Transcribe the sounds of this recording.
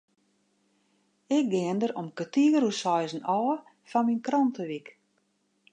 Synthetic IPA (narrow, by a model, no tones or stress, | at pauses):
ɪk̚ɡɪəndəɾomkətiəɾusɔjzn̩ɔː | fɔnminkrɔntəʋik